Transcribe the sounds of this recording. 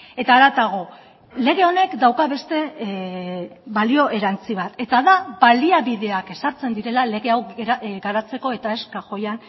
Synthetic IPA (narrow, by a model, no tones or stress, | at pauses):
e̞t̪aːɾat̪aɣ̞o̞ | le̞ɣ̞e̞o̞ne̞kd̪awkaβe̞st̪e̞ | βalio̞ʔe̞ɾant͡siβ̞at̪e̞t̪aðaβaliaβiðe̞ake̞saɾt͡se̞nd̪iɾe̞lale̞ɣe̞awɡaɾat͡se̞ko̞e̞t̪ae̞skaʝo̞jan